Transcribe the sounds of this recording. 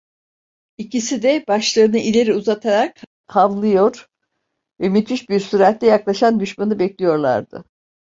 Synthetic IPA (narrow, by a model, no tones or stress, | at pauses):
icisid̪ɛbaʃlˠɯɯnɯʔilʲeɾiuzat̪ʰaɾak̚ | kʰavlˠɯjo̞ɾ | vɛmyt̪ʰiʃbiɾsyɾat̪ːʲɛjaklˠaʃand̪yʃmanɯbɛclʲijo̞ɾlˠa̰ɾd̪ɯ̰